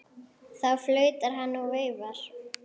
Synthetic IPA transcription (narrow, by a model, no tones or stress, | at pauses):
θawflœːɥt̪aɾ̥ɦanːaɣvœːɥvaɾ̥